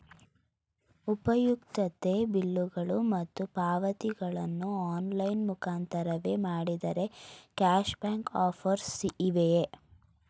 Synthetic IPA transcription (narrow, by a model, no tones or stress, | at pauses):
upɐjukt̪ɐt̪e̞bilːuɡɐɭumɐt̪ːupaːʋɐt̪iɡɐɭɐnːuaːnlɐjnmukaːnt̪ɐɾɐʋe̞ːmaːɽid̪ɐɾe̞kaːʃbaːŋkaːpʰɐɾsiʔːʋeje